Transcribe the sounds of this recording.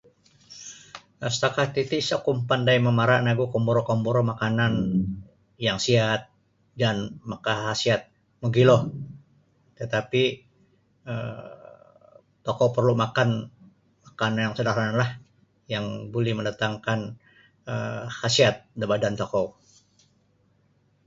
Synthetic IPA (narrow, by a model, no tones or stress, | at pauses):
ʔast̪akat̪it̪ɪsakumpandajməmaɾaʔnaɡukɔmboɾokɔmboɾomakanan | jaŋsiat̪̚ | danmakaɦasiat̪̚ | muɡilɔh | t̪ət̪api | ə̰ | t̪okopərlumakan | makananjaŋsədaranalah | jaŋbolɛhməndat̪aŋkan | əhasiat̪̚dabadant̪okɔw